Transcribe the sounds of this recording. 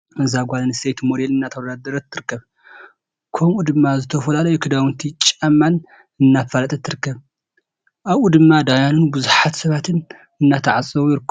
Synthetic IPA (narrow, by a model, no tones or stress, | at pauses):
mɨzaɡʷalɨnɨsejt̪mod̪e̞lɨnːat̪ʰɐwɐd̪ad̪ɐɾɐt̪ʰːɨɾɨkːɐβ | kʰomʔud̪ɨmːazɨt̪ʰɐfɐlalɐjukʰɨd̪awɨnt̪ʰit͡ʃʼamːan | ɨnːafalɐt̪ʼɐt̪ʰːɨɾɨkːɐβ | ʔaβʔud̪ɨmːad̪ajanunbɨzuħat̪sɐβat̪ʰɨn | ɨnːat̪ʰɐʕasʼɨβujɪɾɨkː